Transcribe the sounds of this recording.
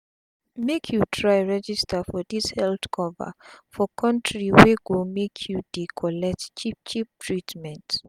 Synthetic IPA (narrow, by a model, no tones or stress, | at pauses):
mekʰjutʰɹaɪɹɛd͡ʒistəfɔðishɛlθkʰɔvə̰fɔkʰɔ̃ntʰɹiweɡumekʰjudikʰɔlɛk̚tt͡ʃip̚t͡ʃip̚tʰɹitmɛ̃nt